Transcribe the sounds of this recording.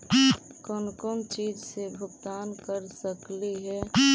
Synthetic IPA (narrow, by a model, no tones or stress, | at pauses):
kɔːnkɔːnt͡ʃiːd͡ʒsebʱʊkt̪aːnkəɾsəkliɦɛ